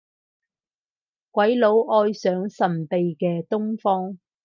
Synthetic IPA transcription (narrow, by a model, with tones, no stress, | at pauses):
kʷɐ˨˥jlo˨˥wʔɔː˧jsœː˨˥ŋsɐ˨˩npe˨jkɛː˧t̪ʊ˥ŋfɔː˥ŋ